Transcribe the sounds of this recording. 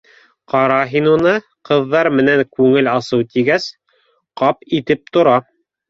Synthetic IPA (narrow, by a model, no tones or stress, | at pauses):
qɑɾɑɦinunɤ | qɤ̆ðːɑɾmɘ̆næŋkʉŋɘlɑsɤwt̪iɡæs | qɑpit̪ɘp̚t̪ŏɾɑ